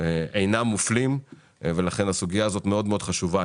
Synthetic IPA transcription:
eʔejnamːuflim | ve̞laχe̞nasuɡijaːzo̞t̪meo̞d̪meod̥̪χaʃuva

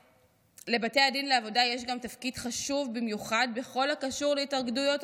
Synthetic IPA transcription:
le̞bate̞jadinleavo̞dajeʃ̬ɡamtafkidχaʃuvbimjuχad̚be̞χo̞lakaʃuʁleitaʁɡdujo̞t

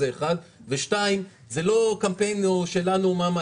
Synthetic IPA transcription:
eːχad̪veʃtaim | zelo̞kampenoʃe̞lanumama

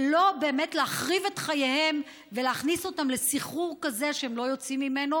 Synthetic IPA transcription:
lo̞be̞ːme̞tleaχʁivetχajehem | veleaχniso̞tamle̞siχuʁkaze̞ʃeemlo̞jo̞t͡simːime̞no

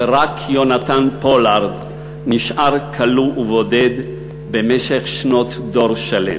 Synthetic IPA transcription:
ʁakʰjonat̪anpolaʁd̪ | niʃʔaʁkʰaluʔːvoded̪ | bemeʃeχʃnot̪d̪o̞ʁʃalḛm

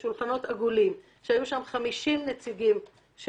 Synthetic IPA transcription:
ʃulχano̞t̪aɡulim | ʃehajuʃamχamiʃimnet͡siɡim | ʃ

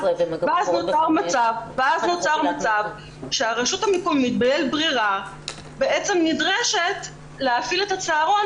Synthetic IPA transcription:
vaznoaʁmat͡savveaznot͡saʁmat͡sav | ʃeaʁeʃutamekomːit̪balelbʁiʁa | beet͡semnidʁeʃe̞t | leafiletat͡seaʁo̞n

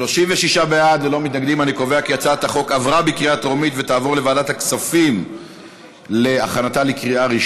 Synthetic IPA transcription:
lo̞ʃimveʃiʃabead̪lelo̞mit̪naɡd̪imaniko̞veakijat͡saet̪aχo̞kavʁabikʁiat̪ʁomit̪vet̪aːvo̞ʁle̞vaːdat̪aksafim | le̞aχanat̪alekʁiaʁiʃ

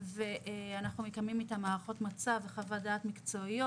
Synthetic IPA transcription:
veʔanaχnumekamimet̪amaːʁaχo̞t̪mat͡saveχavadaːt̪mikt͡so̞io

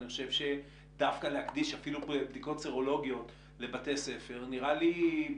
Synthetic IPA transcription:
niχo̞ʃe̞vʃe̞ | dafkalehakdiʃafilubdiko̞tseʁo̞lo̞ɡijo̞t | le̞bate̞se̞fe̞ʁniʁali

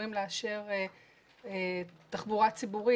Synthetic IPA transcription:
imleaʃe̞ʁe | et̪aχbuʁat͡sibuʁi

